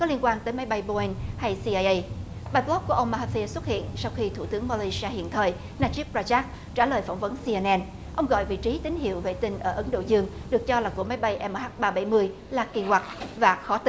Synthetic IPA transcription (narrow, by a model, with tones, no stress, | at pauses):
kɔ˨˦li˧ənkwaː˧nt̪əː˨˦jma˨˦jɓa˧jɓo˧i˧nha˧jsi˧ʔa˧jʔə˧j | ɓaː˧ɓlɔ˦˥p̚ku˧˩əʔə˧wŋ͡mma˧ha˧fi˧swt̚hḭ˧˨ənsa˧wxi˧t̪ʰu˧˩t̪ɨ˨˦əŋma˧li˧si˧aː˧hḭ˧˨ənt̪ʰəː˨˩j | naː˧t͡ɕi˦˥p̚zaː˧t͡ɕaː˦˥k̚ | t͡ɕaː˧˩ləː˨˩jfa˧˩wŋ͡mvə˨˦nsi˧ɛ˧nʔɛ˧n | ʔə˧wŋ͡mɣɔ̰˧˨jvḭ˧˨t͡ɕi˨˦t̪ï˨˦ŋ̟ɦḭ˧˨əwɣə̰˧˨jt̪ï˧˩ŋʔəː˧˩ʔə˨˦nɗo̰˧˨zɨ˧əŋɗɨ˨˩ək̚t͡ɕɔ˧laː˨˩ku˧˩əma˨˦jɓa˧jʔɛ˧mː˧haː˦˥t̚ɓaː˧ɓa˧˩jmɨ˧əj | laː˨˩ki˧˩hwa˨˩t̚vaː˨˩xɔ˨˦t̪i˧